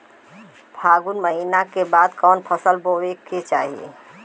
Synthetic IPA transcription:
bʱaɡunməɦinakebad̪kɔːnpʰəsəlboweket͡ʃaːɦiḛ

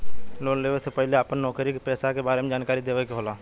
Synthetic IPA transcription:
loːnleːʋəsepəɦɪleaːpənːɔːkɾikpɛːsakebaːɾemẽd͡ʒaːnkaːɾid̪eːʋekeɦoːlaː

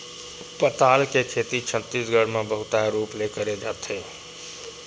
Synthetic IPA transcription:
pət̪aːlket͡ʃʰeːt̪it͡ʃʰə̃t̪ːisɡʱəɽmẽbəɦʊt̪aɾuːplekəɾed͡ʒaːt̪ɦeː

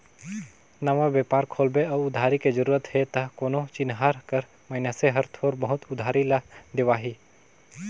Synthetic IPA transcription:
nəʋabeːpaːɾkʰoːlbeəʊd̪ʱaːɾiked͡ʒəɾuːɾət̪ɦet̪ɐɦkoːnot͡ʃɪnɦaɾkəɾ | məɪnaseɦəɾt̪ʰoːɾbəɦʊt̪ʊd̪ʱaːɾilɐd̪ɪʋaːɦiː

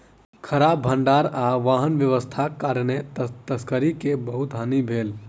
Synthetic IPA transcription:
kʰəɾaːbbʱəɳɖaːɾaʋaːɦənʋjəʋəst̪ʰakaːɾnet̪əskəɾikebəɦut̪ɦanibʱeːl

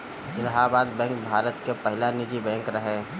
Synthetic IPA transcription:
ɪlɦaːbaːd̪bɛ̃ːŋk̚bʱaːɾət̪kepəɦɪlanɪd͡ʒibɛ̃ːŋkɾəɦeː

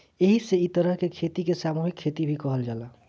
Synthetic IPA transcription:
eɦiseit̪əɾəɦkekʰet̪ikesamuɦikʰːet̪ibʱikɔɦəld͡ʒala

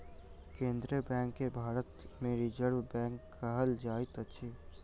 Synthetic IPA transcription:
kẽːnd̪ɾiəbɛ̃ːŋkːebʱaːɾət̪mẽɾid͡ʒəɾwbɛ̃ːŋkː | aɦəld͡ʒaːɪt̪ətːʃʰiː

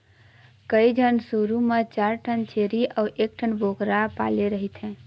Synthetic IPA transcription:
kəid͡ʒʱənsuːɾumet͡ʃaːɾʈʰənt͡ʃʰeːɾiɔːɾʔeːk̚ʈʰənbʱoːkɾapa̰ːleɾəɦit̪ɦɛ̃ː

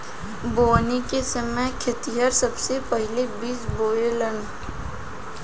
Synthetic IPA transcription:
boːnikesəməjkʰet̪iɦəɾsəbsepəɦɪlebiːsboːelən

